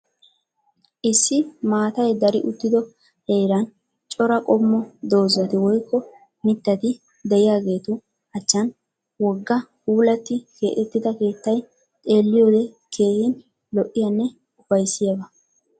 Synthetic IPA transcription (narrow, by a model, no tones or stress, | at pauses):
ʔɪsːɪmaːt̪ɐjd̪ɐɾɪʔʊd̪ːɪd̪ɔ | heːɾɐn | t͡ʃʼɔɾɐkʼɔmːɔd̪o̞ːzɐt̪ɪwɔjkːɔ | mɪt̪ːɐt̪ɪ | d̪ɛɪjaːɡe̞ːt̪ʊ | ɐt͡ʃːɐn | wɔɡːɐhuːlɐt̪ːɪke̞̰ːʔɛt̪ːɪd̪ɐke̞ːt̪ːɐj | t̪ʼe̞ːlːɪjo̞ːd̪ɛ | kʰe̞ːhɪn | lɔʔːɪjɐnːɛ | ʊfɐjsːɪjɐbɐ